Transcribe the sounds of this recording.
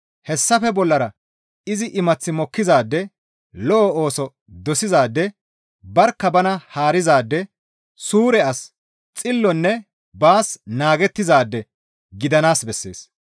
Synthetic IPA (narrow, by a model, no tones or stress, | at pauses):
hɛsːɐfɛbɔlːɐɾɐ | ɪzɪʔɪmɐt͡sːɪmɔkːɪzaːd̪ːɛ | lɔʔɔoːsɔ | d̪ɔsɪzaːd̪ːɛ | bɐɾkːɐbɐnɐhaːɾɪzaːd̪ːɛ | suːɾɛɐs | t͡sʼɪlːɔnːɛ | baːsnaːɡɛt̪ːɪzaːd̪ːɛ | ɡɪd̪ɐnaːsbɛsːḛːs